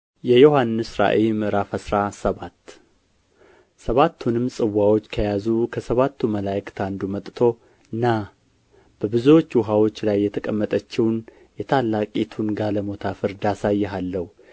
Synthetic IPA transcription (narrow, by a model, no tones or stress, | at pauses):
jɛjohanːɨsɾa̰ʔemɨɾafəsɾasəβat̪ | səβat̪ʰːunɨmsʼɨwːawo̞t͡ʃːkʰəjazukʰəsəβat̪ʰːuməlajkʰɨ̥t̪ʰand̪umət̪ʼt̪ʰo̞ | ɨnːa | b̥əbɨzuwo̞t͡ʃːwʊɦawo̞t͡ʃːlajːɛt̪ʰəkʼəmːət̪ʼət͡ʃːɪwn | jɛt̪ʰalːakʼit̪ʰunɡaləmo̞t̪ʰafɨɾd̪asajːɛɦalːəhu